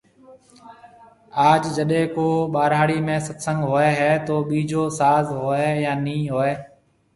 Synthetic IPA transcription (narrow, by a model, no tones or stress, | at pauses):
aːd͡ʒd͡ʒəɗẽːkoːɓaːɾaːɽiːmẽːsət̪sə̃ŋɡɦoːɛːɦɛːt̪oːɓiːd͡ʒoːsaːzɦoːeːjaːnĩːɦoːeː